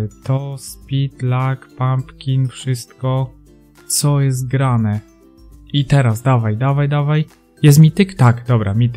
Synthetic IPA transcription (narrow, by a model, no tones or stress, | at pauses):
t̪ɔspʲit̪lakpampkʲinfʂɘst̪kɔ | t̪sɔjɛs̬t̪̚ɡɾanɛ | it̪ɛɾasd̪avajd̪avajd̪avaj | jɛs̬mʲit̪ɘkt̪akd̪ɔbɾamʲit̪ɘ